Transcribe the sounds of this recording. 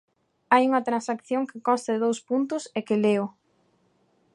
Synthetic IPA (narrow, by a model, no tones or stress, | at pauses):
ajuŋɐt̪ɾãnsakθjoŋkɪkɔst̪ɐðɪðowspunt̪ʊsekɪleʊ